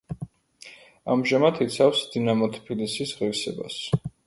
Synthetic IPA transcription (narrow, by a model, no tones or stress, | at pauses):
amʒamat̪ʰit̪sʰafsd̪̥inamɔt̪ʰpʰilisisʁiɾsɛba̰s